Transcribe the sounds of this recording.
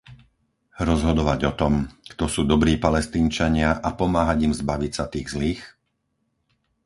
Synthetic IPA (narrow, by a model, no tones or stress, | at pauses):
ɾɔzɦɔd̪ɔʋaɟɔt̪ɔmkt̪ɔsuːd̪ɔbɾiːpalɛst̪iːnt͡ʃaɲɪaʔapɔmaːɦaɟimzbaʋicsat̪iːɣzliːx